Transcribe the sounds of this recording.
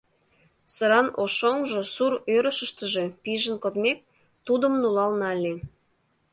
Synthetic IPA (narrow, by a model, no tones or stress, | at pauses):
səɾɑnoʃoŋʒosuɾøɾəʃə̆ʃt̪ə̆ʒepiʒənkot̪mek̚ | t̪ud̪ə̆mnulɑlnɑlʲːe